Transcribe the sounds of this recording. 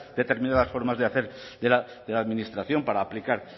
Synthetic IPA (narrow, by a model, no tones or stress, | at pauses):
d̪e̞t̪eɾmĩnaðasfo̞ɾmazðeaθe̞ɾðela | ðelaðminist̪ɾaθjo̞mpaɾaːplikaɾ